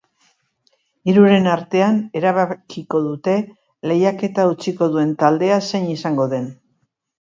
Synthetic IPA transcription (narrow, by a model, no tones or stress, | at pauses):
iɾuɾe̞naɾt̪e̞ane̞ɾaβakiko̞ðut̪e̞ | le̞jake̞t̪aut͡siko̞ðue̞nt̪ald̪e̞ase̞nisaŋɡo̞ðe̞n